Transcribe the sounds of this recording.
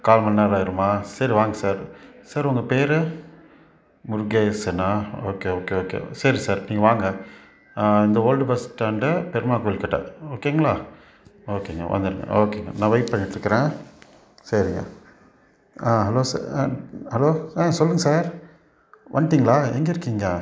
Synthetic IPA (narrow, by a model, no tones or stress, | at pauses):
kaːlmɐnːaːlaːɪɾɯmaːsɐɾiʋaːŋɡɐsaːɾsaːɾʊŋɡɐpeːɾɯ | mʊɾʊɡeːsɐnaːoːkeːoːkeoːkḛːsɐɾisaːɾniːŋɡɐʋaːŋɡɐ | ɪnd̪ɐoːlɖbɐsʈːaːɳɖɐpɛɾɯmaːkuːɪlkɐʈːã̰oːkeːŋɡɐɭaː | oːkeːŋɡɐ̰ʋɐ̰nd̪ɪɾɯŋɡɐ̰oːkeːŋɡɐ̰nãːʋɐɪʈpɐɳːɪʈːɪɾɯkːɐɾẽː | sɐɾɯŋɡɐ̰ | aːɦɐloːsa | hɐloːsɔlːɯŋɡɐsaːɾ | ʋʔɐnʈ̪iŋɡɐɭaːɛŋɡɐɪɾɯkːiŋɡɐɐ